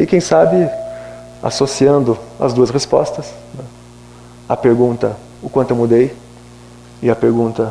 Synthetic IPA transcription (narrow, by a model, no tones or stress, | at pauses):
ɪkẽj̃sabɪ | a̰sosiɐ̃nd̪ʊɐ̰zd̪uɐsʁespɔ̰st̪ɐsnɛ | ɐpeɾɡũnt̪ɐ | ʊkwɐ̃t̪ʊewmud̪ej | ɪɐpeɾɡũnt̪ɐ